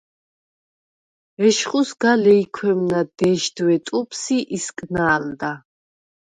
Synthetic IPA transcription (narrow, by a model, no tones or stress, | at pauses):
ɛʃχusɡ̥alɛikʰwɛmnad̪ɛʃd̪wɛt̪ʼupʰsiʔiskʼnaːld̪a